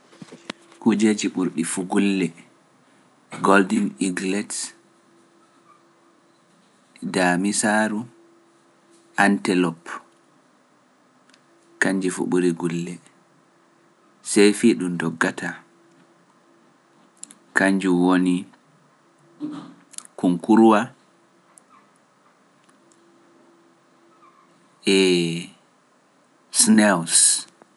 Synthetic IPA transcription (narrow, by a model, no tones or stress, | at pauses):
kud͡ʒed͡ʒiɓuɾɗifuɡulːɛ | ɡoldiniɡlɛds | damisaɾu | ʔantɛlɔp | kaɲd͡ʒifṵɓuɾiɡulːɛ | sɛjfiɗumdɔɡːata | kaɲd͡ʒuwoni | kuŋkuɾwa | ɛ | snɛws